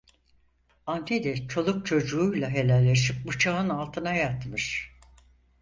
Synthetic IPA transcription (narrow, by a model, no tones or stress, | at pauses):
anned̪ɛt͡ʃʰo̞lˠuk̚t͡ʃʰo̞d͡ʒuːjlˠaɦe̞lʲælʲːeʃip̚but͡ʃʰaɯnalˠt̪ʰɯnajat̪mɯɾ̥